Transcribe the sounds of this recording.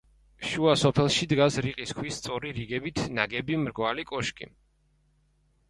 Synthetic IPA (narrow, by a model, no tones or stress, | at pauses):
ʃuasɔpʰɛlˠʃid̪ɡasɾiqʼiskʰwist̪sʼɔɾiɾiɡɛbit̪ʰnaɡɛbimɾɡvalikʼɔʃkʼḭ